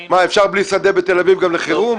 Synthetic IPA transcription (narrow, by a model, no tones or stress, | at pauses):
maefʃaʁblisad̪ebet̪e̞lavivɡamleχeʁum